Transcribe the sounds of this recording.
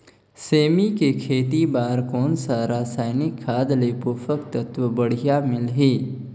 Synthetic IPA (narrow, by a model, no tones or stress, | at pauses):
seːmikekʰeːt̪ibaːɾkɔːnsaɾaːsaːɪnɪkʰːaːd̪lepʊfəkt̪ət̪wəbəɽ̤ijamɪlɦiː